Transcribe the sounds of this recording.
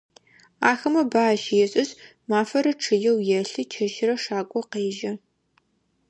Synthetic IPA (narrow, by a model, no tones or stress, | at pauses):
aːxɐmɐbaːʃɪjɛɕʼɪz | maːfɐɾɐʈ͡ʂʰɨjɛwjɛɬɨt͡ʃʰɐʃɪrɐʂaːkʷʼɔqeːʒɐ